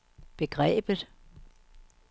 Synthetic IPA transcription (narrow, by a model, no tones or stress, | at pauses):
b̥e̝ɡ̥ʁɛ̰ːb̥ðˠ